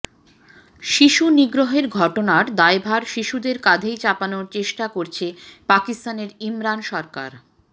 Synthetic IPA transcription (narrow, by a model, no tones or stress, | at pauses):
ʃiʃuniɡɾoɦeɾɡʱɔʈonaɾd̪aebʱaɾʃiʃud̪eɾkad͡ʑʱejt͡ɕapanoɾt͡ɕeʃʈakoɾt͡ɕʰepakist̪aneɾimɾanʃɔɾka̰ɾ